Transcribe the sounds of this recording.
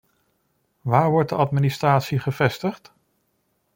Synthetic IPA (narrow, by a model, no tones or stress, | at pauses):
ʋaːɹʋɔɹt̚dəʔɑtminɪstraːtsiχəvɛstəχt